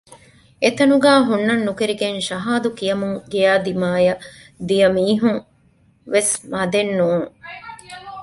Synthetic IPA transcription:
et̪ɐnuɡaːɦunːɐnːukeɾiɡenʃɐɦaːd̪ukijɐmuŋɡijaːd̪imaːjɐ | d̪ijɐmiːɦuŋ | ʋesmɐd̪enːuːŋ

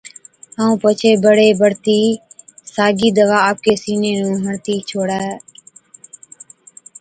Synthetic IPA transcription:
ɦãːũːpət͡ʃʰeːbəɽeːbəɽt̪iːsaːɡiːd̪əʋaːaːp̚keːsiːneːnũːɦəɳt̪iːt͡ʃʰoːɽaːɦː

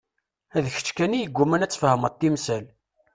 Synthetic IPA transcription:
æðəçə̥t͡ʃːkænijəɡʷːumænæt͡sːfəhəmət̪ːimsæl

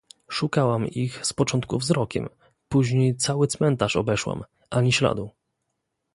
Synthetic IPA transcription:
ʂukawamixspɔt͡ʂɔnt̪̚kuvzɾɔkʲɛ̰m | puʑɲejt̪sawɘt̪smɛnt̪aʂɔ̰bɛʂwa̰m | ʔaɲiɕla̰d̪u

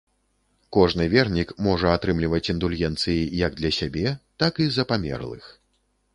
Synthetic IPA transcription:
kɔʐnɨvʲɛrnʲikmɔʐɐat̪ɾɨmlʲivɐt͡sʲind̪ulʲɣʲɛnt̪sɨjijɐɡ̚d̪lʲɐsʲabʲɛt̪akizɐpamʲɛ̰rlˠɨ̰x

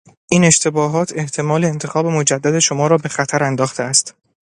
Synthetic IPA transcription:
ʔiːne̞ʃt̪ʰe̞bɒːɦɒːt̪ʰe̞ht̪ʰe̞mɒːle̞ːnt̪ʰe̞xɒːbe̞mo̞d͡ʒæd̪ːæd̪e̞ʃomɒːɾɒːbe̞xæt̪ʰæɾænd̪ɒːxt̪ʰeæst̪

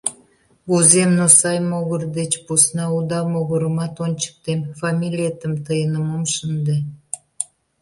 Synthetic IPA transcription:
uzemnosɑjmoɣərd̪et͡ɕpusnɑud̪ɑmoɣəɾəmɑt̪ont͡ɕə̥k̚t̪emfɑmʲilʲet̪əmt̪əjənəmomʃənd̪e

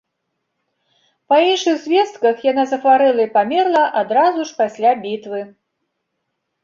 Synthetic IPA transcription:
pɐinʂɨɣzʲvʲɛst̪kɐxjanazɐxvaɾɛlˠɐipamʲɛrlˠɐʔad̪ɾazuʂpasʲlʲabʲit̪vɨ

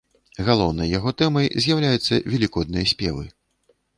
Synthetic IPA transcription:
ɣalˠɔwnɐjːaɣɔt̪ɛmɐjzʲjawlʲajut̪sːɐ̰vʲɛlʲikɔd̪̚nɨjɐsʲpʲɛ̰vɨ̰

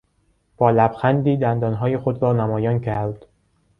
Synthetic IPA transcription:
b̥ɒːlæb̥xænd̪iːd̪ænd̪ɒːnɦɒːjexod̪ɾɒːnæmɒːjɒːncʰæɾd̪̥

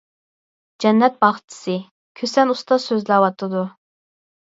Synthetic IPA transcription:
d͡ʒɛnːɛt̪̚bɑχt͡ʃ̪ʰɪ̥sɨ | kʲʰøsɛnust̪ɑsøzlæwɑt̪ʰɨd̪u

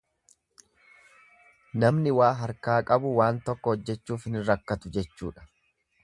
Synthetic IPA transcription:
nɐmnɪwaːɦɐɾkaːkʼɐbʊwaːnt̪ɔkːɔhɔd͡ʒːɛt͡ʃːuːfɪnɪɾɐkːɐt̪ʊd͡ʒɛt͡ʃːuːᶑɐ̥

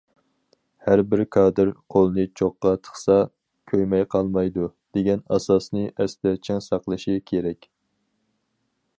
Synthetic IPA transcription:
hæɾbɪɾkʰɑːd̪ɨɾqʰolˠɨnɨt͡ʃʰoqːɑt̪ʰə̥χsɑ | kʲʰøjmɛjqʰɑlˠmɑjd̪ud̪̥eɡʲɛnɑ̰sɑsnɨʔɛst̪ɛɾt͡ʃʰɪŋsɑqlˠɨʃikʲʰeɾɛkʲ

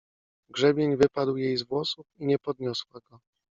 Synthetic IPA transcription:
ɡʐɛbʲjeɲvɘpad̪wjejzvwɔsufiɲɛpɔd̪ɲɔswaɡɔ

